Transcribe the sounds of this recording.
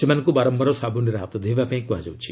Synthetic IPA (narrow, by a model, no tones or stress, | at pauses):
semanŋkubaɾɔmbɔɾɔsabʱuniɾaɦat̪ɔd̪ʱebapãĩkuɦad͡ʒa̰wt͡ʃʰi̥